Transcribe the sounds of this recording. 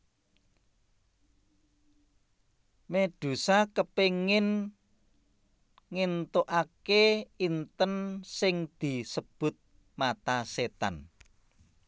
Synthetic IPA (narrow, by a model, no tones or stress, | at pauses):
med̪̥ṳsakəpeŋɪn | ŋint̪oʔakeint̪ənsɪŋd̪̥i̤səb̥ʊ̤t̪̚ | mat̪aset̪a̰n